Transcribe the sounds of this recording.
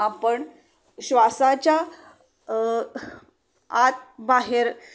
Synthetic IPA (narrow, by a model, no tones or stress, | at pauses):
apəɳ | ɕʋasat͡ɕja | at̪̚baɦeɾ